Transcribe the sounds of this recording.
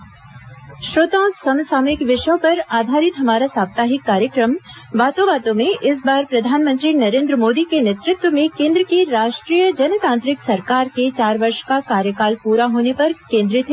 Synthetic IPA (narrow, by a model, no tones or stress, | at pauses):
ʃɾoːt̪ãːsɐmsaːmɪkʋɪʃjõpɐɾaːd̪ʱaːɾɪt̪ɦɐmaːɾasaːb̚t̪aːɦɪkːaːɾjəkɾəm | ʋaːt̪oʋaːt̪õmẽʔɪs̬baːɾpɾɐd̪ʱaːnmə̃nt̪ɾinɐɾẽːnd̪ɾəmoːd̪ikenet̪ɾʊt̪wəmẽkẽːnd̪ɾəkiɾaːʃʈɾiːjəd͡ʒɐnət̪ãːnt̪ɾɪksɐɾkaːɾket͡ʃaːɾʋɐɾʃkakaːɾjəkaːlpuːɾaɦoːnepɐɾkẽːnd̪ɾɪt̪